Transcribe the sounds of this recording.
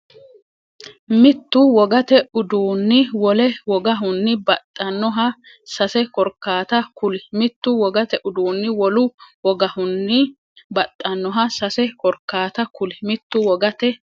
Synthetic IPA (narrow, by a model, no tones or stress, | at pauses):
mɪt̪ːʊwɔɡɐt̪ɛʊd̪uːnːɪwɔlɛwɔɡɐɦʊnːɪbɐt̪ʼːɐnːɔɦɐ | sɐsɛkɔɾkːaːt̪ɐkʊlɪmɪt̪ːʊwɔɡɐt̪ɛʔʊd̪uːnːɪwɔlʊwɔɡɐhʊnːɪ | bɐt̪ʼːɐnːɔɦɐsɐsɛkɔɾkːaːt̪ɐkʊlɪmɪt̪ːʊwɔɡɐt̪ɛ